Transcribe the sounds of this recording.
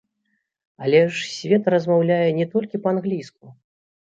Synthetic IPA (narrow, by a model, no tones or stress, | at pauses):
alʲɛʂsʲvʲɛt̪ɾɐzmawlʲajɛnʲɛt̪ɔlʲkʲipɐanɣlʲisku